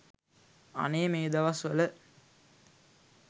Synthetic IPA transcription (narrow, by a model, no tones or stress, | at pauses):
ɐ̰neːmeːd̪ɐʋɐsʋələ